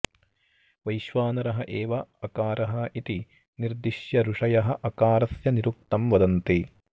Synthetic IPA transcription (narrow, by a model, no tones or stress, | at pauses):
ʋɐjʃʋaːnɐɾɐɦɐʔeːʋɐɐkaːɾɐɦɐʔit̪i | niɾd̪iʃjɐɾuʂɐjɐɦɐ̆ʔɐkaːɾɐsjɐniɾuk̚t̪ɐmʋɐd̪ɐnt̪e